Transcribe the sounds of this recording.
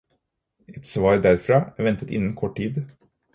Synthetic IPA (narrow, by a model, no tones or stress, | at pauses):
ɛt̪sʋɑːɾd̪æɾfɾɑːæːɾʋɛnt̪ət̪ɪ̰nːn̩kʰɔʈʈiːd̪